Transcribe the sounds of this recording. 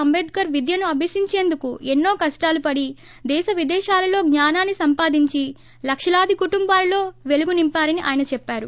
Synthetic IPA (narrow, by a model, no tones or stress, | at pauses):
ɐmbeːd̪̚kɐɾʋid̪ʱjɐnuɐbʱisiɲt͡ʃe̞ːnd̪ukuenːo̞ːkɐsʈaːlupɐɽi | d̪ɛːʃɐʋid̪ɛːʃaːlɐlo̞ːɡɲaːnaːnːisɐmpaːd̪iɲt͡ʃi | lɐkʂɐlaːd̪ʱikuʈumbaːlɐlo̞ːʋe̞luɡunimpaːɾɐniʔa̰ːjɐnɐt͡ʃɛpːaːɾu